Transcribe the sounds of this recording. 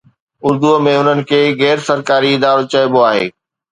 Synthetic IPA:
ʊɾd̪uəmẽʊnənɪ̆kʰeːɣɛːɾsɐɾkaːɾiɪd̪aːɾət̪̚t͡ɕɐɪboaːɦḛː

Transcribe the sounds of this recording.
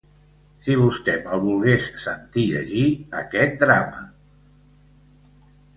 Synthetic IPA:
siβ̞ust̪ɛməlˠβulˠɣessənt̪iʎə̰ʒiəkɛt̪̚d̪ɾamə

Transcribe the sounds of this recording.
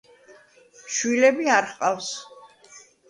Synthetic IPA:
ʃwilɛbiaɾχqʼafs

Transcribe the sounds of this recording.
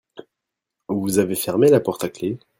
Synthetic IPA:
vuzavefɛʁmelapɔʁt̪akle

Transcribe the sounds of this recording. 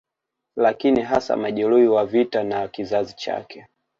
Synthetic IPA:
lakiniɦasa̰maʄɛluiwavitanakizazit͡ʃa̰kɛ

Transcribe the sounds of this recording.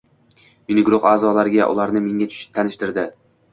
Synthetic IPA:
mɪnɪɡɾʊχaːzɒlaɾɪɡʲaʔʊ̰laɾnɪme̞ŋʲat̪ʰʊ̥ʃɪ̥p̚t̪ʰanɪʃt̪ɪɾd̪ɪ

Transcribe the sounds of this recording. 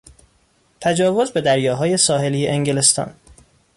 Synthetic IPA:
t̪ʰæd͡ʒɒːvozbe̞d̪æɾjɒːɦɒːje̞sɒːɦe̞liːjeʔeŋɟelest̪ɒ̰ːn

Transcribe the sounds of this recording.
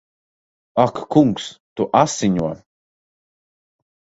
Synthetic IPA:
akkuŋkst̪uʔasiɲua

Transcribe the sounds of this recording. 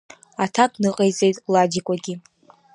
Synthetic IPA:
atʰakʼnɨqʼejt͡sʼe̞jtʼlad͡ʒikʷʼaɡʲi

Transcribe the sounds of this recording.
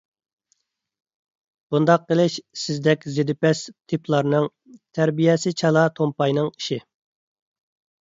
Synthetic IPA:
b̥und̪ɑq̚ːəlˠɪʃsɪzd̪ɛkʲzed̪ɪpɛst̪ʰipʰlˠɑɾnɨŋ | t̪ʰæɾbijɛsɪt͡ʃʰɑlˠɑt̪ʰompɑjnɨŋi̥ʃɪ

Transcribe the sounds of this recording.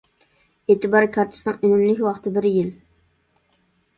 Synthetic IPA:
eːt̪ʰɨbɑɾkʰɑɾt̪ʰɪ̥snɨŋynymlɪkʲwɑχt̪ʰɨbɪɾjɪl

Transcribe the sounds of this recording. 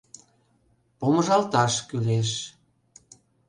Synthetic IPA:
poməʒɑlt̪ɑʃkyleʃ

